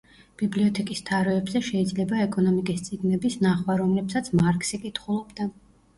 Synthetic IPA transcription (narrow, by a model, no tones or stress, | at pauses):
b̥ibliɔt̪ʰɛkʼist̪ʰaɾɛːbzɛʃɛid̪zlɛbaɛkʼɔnɔmikʼist̪sʼiɡnɛbisnaχwaɾɔmlɛpsat̪sʰmaɾkʼsikʼit̪ʰχulˠɔbd̪a